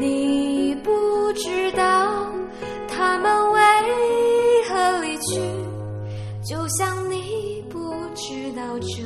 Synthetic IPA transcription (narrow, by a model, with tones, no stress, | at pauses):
ni˨˩pu˧˩ʈ͡ʂɻ̩˥t̪ɑ˥˧ʊ | t̪ʰa˥mə˨nwe˧ | xɤ˧˥li˨˩t͡ɕʰy˥˧ | t͡ɕjo˥˧ʊɕjɑ˥˧ŋni˨˩pu˧˥ | ʈ͡ʂɻ̩˥t̪ɑ˥˧˩ʊʈ͡ʂ̩˧